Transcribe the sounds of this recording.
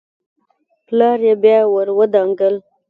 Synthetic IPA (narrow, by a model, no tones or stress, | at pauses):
plɑɾjebjɑwəɾwəd̪ɑŋɡəl